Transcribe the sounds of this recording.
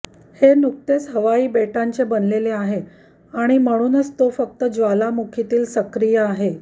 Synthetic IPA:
henuk̚t̪esɦəʋaiːbeʈaɲt͡ɕebənleleaɦe | aɽ̃im̤əɽ̃uːnət͡st̪ofək̚t̪əd͡zʋalamukʰit̪iːlsəkɾijəaɦe

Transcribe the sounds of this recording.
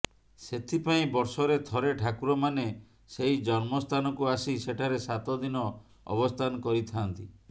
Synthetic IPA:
set̪ʰipaĩbɔɾsɔɾet̪ʰɔɾeʈʰakuɾɔmane | sejd͡ʒɔnmɔst̪ʰanɔkuasiseʈʰaɾesat̪ɔd̪inɔ | ɔ̰bɔst̪ʰanɔkɔɾit̪ʰant̪i

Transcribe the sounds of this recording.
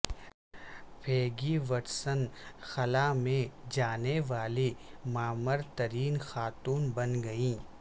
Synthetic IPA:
pʰeːɡiʋɐɾsənxɐlamẽd͡ʒaːneʋaːlimaːməɾt̪ɐɾiːnxaːt̪uːnbɐnɡɐĩː

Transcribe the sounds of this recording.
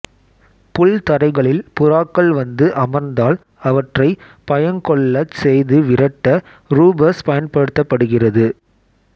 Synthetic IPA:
pʊɭt̪ɐɾɐɪɣɐɭɪlpʊɾaːkːɐɭʋɐnd̪ɯʔɐmɐɾnd̪aːl | ɐʋɐʈrɐɪ | pɐjɐnkɔɭːɐsɛjðɯʋɪɾɐʈːɐ | ɾuːbɐɾspɐjɐnpɐɽɯt̪ːɐpːɐɽɯɣɪrɐðɯ

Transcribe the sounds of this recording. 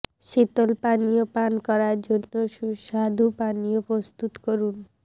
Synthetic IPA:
ʃit̪olpanijopankɔɾaɾd͡ʒonːoʃuʃad̪ʱupanijopɾost̪ut̪kɔɾun

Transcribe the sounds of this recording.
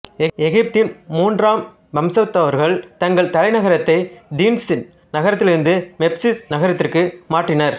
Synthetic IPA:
ɛɛɣɪp̚t̪ɪnmuːndraːm | bɐmsɐt̪ːɐʋɐɾɣɐɭt̪ɐŋɡɐɭt̪ɐlɐɪnɐɣɐɾɐt̪ːɐɪd̪iːnsɪn | nɐɣɐɾɐt̪ːɪlɪɾɯnd̪ɯmɛpsisnɐɣɐɾɐt̪ːɪrkɯmaːʈrɪnɐɾ

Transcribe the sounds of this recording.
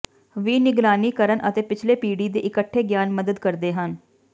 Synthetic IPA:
ʋiːnɪɡlaːniːkəɾəɳʔət̪eːpɪt͡ʃʰleːpiːɖiːd̪eːʔɪkəʈʰːeːɡjaːnməd̪əd̪kəɾd̪eːɦən

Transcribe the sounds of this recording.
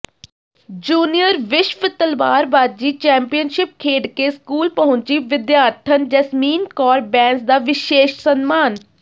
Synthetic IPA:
d͡ʒuːnijəɾʋɪʃʋət̪əlba̰ːɾbaːd̪̚d͡ʒiːt͡ʃɛ̃ːmpijənʃɪp̚kʰeːɖkeːskuːlpəɦʊ̃ɲt͡ʃiːʋɪd̪jaːɾt̪ʰənd͡ʒəsmiːnkɔːɾbɛ̃ːnsd̪aːʋɪʃeːʃsənmaːn

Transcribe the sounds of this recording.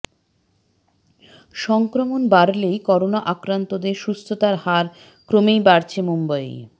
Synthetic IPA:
ʃɔŋkɾomonbaɾlejkɔɾonaʔakɾant̪od̪eɾʃust̪ʰot̪aɾhaɾ | kɾomejbaɾt͡ɕʰemumbaj

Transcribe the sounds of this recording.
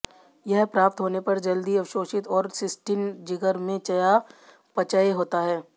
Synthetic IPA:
jɛɦpɾaːp̚t̪ɦoːnepɐɾd͡ʒɐld̪iɐʋʃoːʃɪt̪ɔːɾsɪsʈɪnd͡ʒɪɡəɾmẽt͡ʃɐja | pɐt͡ʃəeɦoːt̪aɦɛː

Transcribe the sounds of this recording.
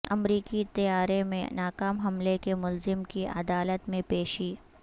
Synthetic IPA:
ɐmɾiːkit̪ɐjaːɾemḛ̃naːkaːmɦɐmlekemʊlzɪmkiʔɐ̰d̪aːlət̪mẽpeːʃiː

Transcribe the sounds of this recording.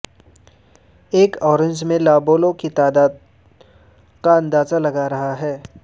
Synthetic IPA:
eːkɔːɾɪ̃ɲd͡ʒmẽlaːboːlõkit̪aːd̪aːd̪ | kaɐ̃nd̪aːzalɐɡaɾɐɦaɦɛː

